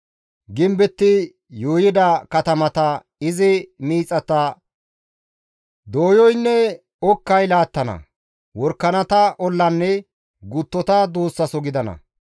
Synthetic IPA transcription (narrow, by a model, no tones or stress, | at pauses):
ɡɪmbɛt̪ːɪ | joːjɪd̪ɐkɐt̪ɐmɐt̪ɐ | ɪzɪmiːt͡sʼːɐt̪ɐ | d̪oːjɔjnːɛ | ɔkːɐjlaːt̪ːɐnɐ̰ | wɔɾkːɐnɐt̪ɐʔɔlːɐnːɛ | ɡʊt̪ːɔt̪ɐd̪oːsːɐsɔɡɪd̪ɐnɐ̰